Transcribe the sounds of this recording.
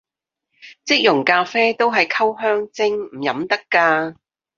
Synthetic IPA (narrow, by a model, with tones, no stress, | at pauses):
t͡sɪ˥k̚jʊ˨˩ŋkaː˧fɛː˥t̪o˥wɦɐ˨jkʰɐ˥wɦœː˥ŋt͡sɪ˥ŋm̩˨˩jɐ˨˥mt̪ɐ˥kːaː˧